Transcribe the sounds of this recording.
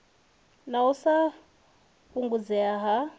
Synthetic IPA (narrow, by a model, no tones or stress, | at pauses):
nausa | ɸuŋɡud͡zɛaɦa